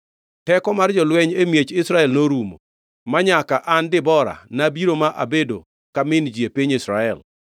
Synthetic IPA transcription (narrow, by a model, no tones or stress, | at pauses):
tɛkɔmard͡ʒɔlwɛɲemjet͡ʃɪsɾaɛlnoɾumo̰ | maɲakaʔandɪbɔɾa̰nabiɾomaʔa̰bedo̰ | kamɪnd͡ʒiepiɲɪsɾaɛ̰l